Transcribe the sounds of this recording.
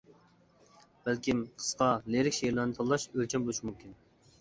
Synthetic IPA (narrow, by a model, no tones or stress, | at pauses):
b̥ælkʲimqʰə̥sqɑleɾɪkʲʃejɾlˠɑɾnɨt̪ʰɑlˠːɑʃølt͡ʃʰɛmboʃmumkʲin